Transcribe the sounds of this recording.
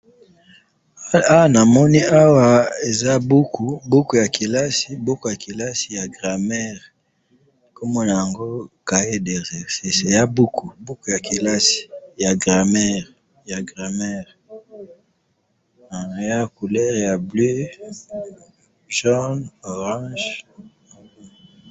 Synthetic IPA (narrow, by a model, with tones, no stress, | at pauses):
a˦a˨na˨mɔ˦ni˦a˦wa˦e˨za˦bu˦kʰu˨bu˦ku˨ja˨kʰi˨la˦si˨bu˦ku˨ja˨ki˨la˦si˨ja˨ɡʁa˨mɛ˦ʁ | ko˦mɔ˦na˨ja˨ŋɡo˦ka˨e˦de˨ʁɛ˨se˦˨se˨ja˦bu˦ku˨bu˦ku˨ja˨ki˨la˦si̥˨ja˨ɡʁa˨mɛ˦ʁ | ja˨ɡʁa˨mɛ˦ʁ | a˨ja˦ku˨lɛ˦ʁja˨blø˦ | ʒɔ˦no˨ʁɑ̃˦ʒ